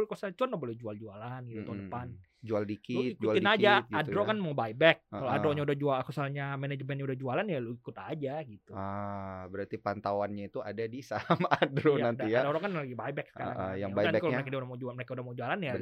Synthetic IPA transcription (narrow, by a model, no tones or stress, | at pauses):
lkosat͡ʃuanlabolɛd͡ʒuald͡ʒualanit̪ut̪aundəpan | d͡ʒualdikɪlotikd͡ʒualt̪ɪnad͡ʒaɡːdɾokanmabaibɛkːaloadɾoɲaudahd͡ʒualakəsalɲamɛnɛd͡ʒmɛn̚ɲaudahd͡ʒualanjaloikut̪ad͡ʒaɡit̪uabəɾart̪ipant̪awanɲait̪uadadisamaːdɾoaandaijaaɾɔkanlaɡibajbɛksə̥ka̰ɾajaŋbajdanɛkalomekaaudahmad͡ʒuaməɾekaudahmad͡ʒualanja